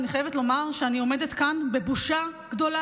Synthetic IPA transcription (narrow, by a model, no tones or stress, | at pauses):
niχajevetlo̞maʁʃeanio̞me̞detkanbe̞buʃa | ɡdo̞la